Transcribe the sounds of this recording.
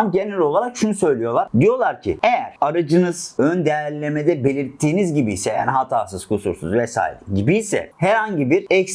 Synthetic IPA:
mɟe̞nɛlʲo̞lˠaɾakʃunusø̞jlʲijo̞lˠaɾd̪ijo̞lˠaɾcʰḭejæɾ̥aɾad͡ʒɯnɯz̥ønd̪ejæɾlʲːe̞med̪ɛbe̞lʲiɾt̪ʰːiːnizɟibijsɛja̰niɦat̪ʰaːsɯz̥kʰusṵɾsṵzvɛsa̰ːḭɾiɟibijsɛ̰hæɾhaɲɟibiɾɛcs

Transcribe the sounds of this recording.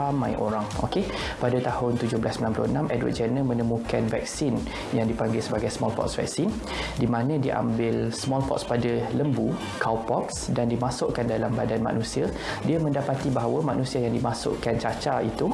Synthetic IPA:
amãjʔo̰ɾaŋo̰ke | padat̪ahʊnt̪ud͡ʒʊhbəlasəmbilanplʊnãmʔɛdwə̰t̪̚d͡ʒənə̃mə̃nəmũkanvɛ̰k̚sin | jaŋdipaŋɡɪlsəbaɡajsmɔlpɔ̰tsvɛ̰k̚sin | dimãnə̃diʔa̰mbɪlsmɔlpɔ̰t̪spadaləmbu | kawpɔksdandimasʊʔkandalambadanma̰ʔnũsia | diamə̃ndapat̪ibaɦawəmãʔnũsiajaŋdimasʊ̰ʔkant͡ʃat͡ʃait̪u

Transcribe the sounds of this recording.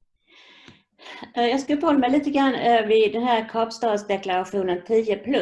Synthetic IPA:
jɑskfəhɔlːəmæɪliːt̪əɡɾanːœvɪd̪ɛnɦæːɾkʰɑːpst̪ɑːd̪sd̪ɛklaɾaɧuːnənt̪ʰiːəpʰlɵ

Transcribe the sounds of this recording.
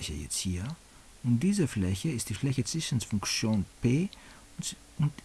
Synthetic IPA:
çə̰jɛ̰t͡sthiːɐ | ʊnt̚d̥iːzəflɛçəɪstd̥iːflɛçət͡sv̥ɪʃən̩sfʊŋkt͡sjoːnpeː | ʊnt

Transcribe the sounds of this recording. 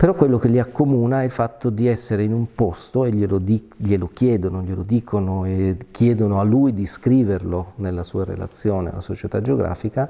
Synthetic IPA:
peɾɔkːwelːok̟elːiakʰːomuːnailfat̪ːod̪iɛsːeɾeinumpost̪oeʎːelod̪i | ʎːelokjɛːd̪onoʎelod̪iːkʰonoekʰːjɛːd̪onoalːujd̪iskɾiːverlonelːasṵːaɾḛla̰t̪sːjoːnea̰lːa̰sot͡ʃet̪ad͡ʒːeoɡɾa̰ːfika

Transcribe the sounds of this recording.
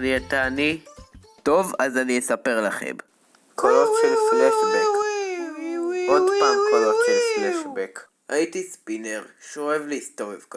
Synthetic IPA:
niat̪aːni | t̪o̞vazaniesape̞ʁlaχḛm | kʰoloʃelfneʃek | odpaːmolot̪ʃelfneʃbek | ait̪ispineʁʃoevliːst̪ovevk

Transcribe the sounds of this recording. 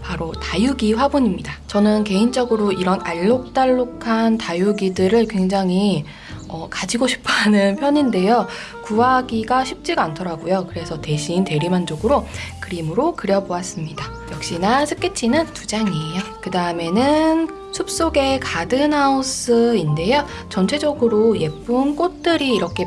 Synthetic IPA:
paɾotajuɡiɸwabuɲimɲidat͡ɕʌnɯnke̞int͡ɕ͈ʌɡɯɾoiɾʌnaʎːok̚t͈aɭːokʰantajuɡidɯɾɯɭkwe̞ŋd͡ʑaŋi | ʌkad͡ʑiɡoɕʰi̥pʰanɯnpʰjʌɲinde̞jo | kuaɡiɡaɕʰip̚t͡ɕ͈iɡaantʰʌɾaɡujokɯɾe̞sʰʌte̞ɕʰiːnte̞ɾimand͡ʑoɡɯɾokɯɾimɯɾokɯɾjʌboas͈ɯmɲida | jʌk̚ɕ͈inasʰɯ̥k͈et͡ɕʰinɯntud͡ʑaŋijakɯdaɯme̞nɯn | sʰup̚s͈oɡe̞kadɯnaus͈ɯinde̞jo | t͡ɕʌnt͡ɕʰe̞d͡ʑʌɡɯɾoje̞p͈unk͈ot̚t͈ɯɾiːɾʌkʰe̞

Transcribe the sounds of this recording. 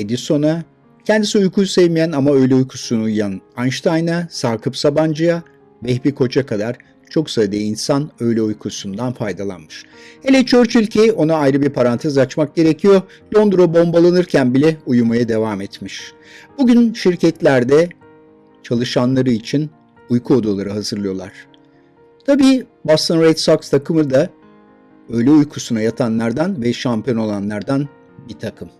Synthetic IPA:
ed̪iso̞na | cʰɛnd̪isiujkʰujsɛvmijænamaø̞jlʲɛujkʰusunuujjananʃt̪ʰajnasaːkʰɯpsaband͡ʒɯja | bɛhbikʰo̞t͡ʃʰakʰad̪aɾ̥ | t͡ʃʰo̞ksad̪einsanø̞jlʲɛujkʰusund̪anfajd̪alˠa̰nmɯʃ | helʲɛt͡ʃʰøɾt͡ʃʰylʲcʰio̞naːjɾɯbiɾpʰaɾant̪ʰezat͡ʃmak̚ɟe̞ɾecʰijo̞ | lʲo̞nd̪ɾobo̞mbalˠanɯɾcʰænbilʲɛujumajad̪e̞vaːmɛt̪miʃ | b̥uɟʲynʃiɾcʰɛt̪lʲæɾd̪ɛ | t͡ʃʰalˠɯʃanlˠaɾɯit͡ʃʰin | ujkʰuod̪ulˠaɾɯɦazɯɾlˠɯjolˠa̰ɾ̥ | t̪ʰabiːbast̪ʰanɾejt̪sokst̪ʰakʰɯmɯɾd̪a | ø̞jlʲɛujkʰusunajat̪ʰanlˠaɾd̪anvɛʃampijo̞no̞lˠanlˠaɾd̪an | bit̪ʰakʰɯm

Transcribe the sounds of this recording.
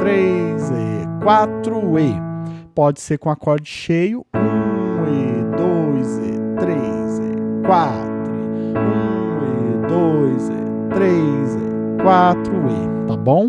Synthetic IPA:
t̪ɾezɛkwat̪ɾʊepɔd͡ʒɪseɾkõakɔɾd͡ʒɪʃejʊũɛd̪ojzɛ̰t̪ɾezɛkwat̪ɾʊ | ũ | ɛ | d̪ojzɛ̰ | t̪ɾejzɛ̰ | kwat̪ɾʊe | t̪abõw̃

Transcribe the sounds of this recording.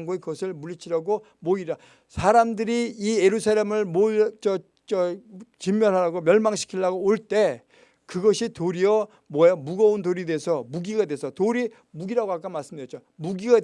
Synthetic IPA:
ŋɡuekɯɡʌsʰɯɭmuɭːit͡ɕʰiɾaɡo | moiɾa | sʰaɾamdɯɾiːje̞ɾusʰaɾe̞mɯɭmoit͡ɕʌ | t͡ɕʌt͡ɕimjʌnɦaɾaɡomjʌɭmaŋɕʰi̥kʰiɭːaɡoːɭt͈e̞ | kɯɡʌɕʰitoɾiʌ | mwʌjomuɡʌundoɾide̞sʰʌmuɡiɡadwe̞sʰʌtoɾi | muɡiɾaɡoɦak͈amas͈ɯmʌt͡ɕo | muɡiɡad

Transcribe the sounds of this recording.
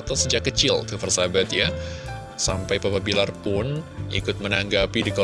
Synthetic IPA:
at̪awsəd͡ʒakːət͡ʃɪlkəfərsabat̪ja | sa̰mpajpapabilarpʊnḭkʊt̪̚mənaŋɡapidikɔ

